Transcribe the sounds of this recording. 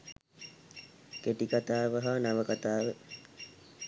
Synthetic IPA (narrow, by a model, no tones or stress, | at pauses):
keʈikat̪aːʋəɦanaʋəkat̪aːʋə